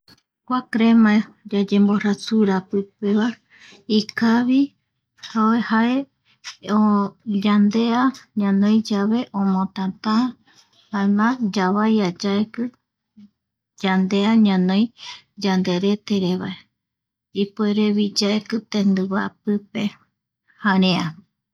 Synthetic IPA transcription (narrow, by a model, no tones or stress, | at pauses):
kʷakɾemãe | d͡ʒad͡ʒẽ̞mboɾasuɾapɨpeβa | ikaβi | haoehae | od͡ʒand̪eaɲãnõj̃d͡ʒaʋe̞ʔõmõt̪at̪ã | haemãd͡ʒaβajad͡ʒaekɨ | d͡ʒand̪e̞aɲãnõj | d͡ʒand̪e̞ɾe̞t̪eɾeβae | ipoeɾe̞βid͡ʒaekɨt̪ẽnd̪ɨβa̰pɨpe̞ | hãɾẽa